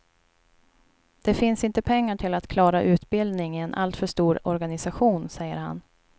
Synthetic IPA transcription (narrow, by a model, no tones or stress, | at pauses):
d̪̥ɛfɪnsɪnt̪əpʰɛŋːaʈʰɪlat̪kʰlɑːɾaʔʉ̟ːt̪bɪld̪nɪŋɪɛnʔa̰lt̪fœʂt̪uːɾɔɾɡanɪsaɧuːnsɛjːə̰ɾha̰n